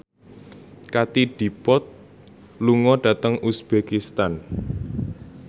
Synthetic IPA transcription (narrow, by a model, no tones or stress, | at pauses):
kat̪iɖ̥i̤pɔt̪̚ | luŋɔɖ̥ä̤t̪əŋusb̥ekist̪an